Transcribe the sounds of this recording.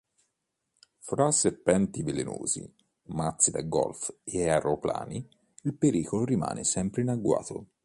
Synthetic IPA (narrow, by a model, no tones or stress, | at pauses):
fɾasːepːɛnt̪iveleno̰ːzḭ | mat̪sid̪aɡɔlfeaɾopla̰ːni | ilpeɾiːkoloɾima̰ːnʔesɛmpɾeinaɡːwa̰ːt̪o̰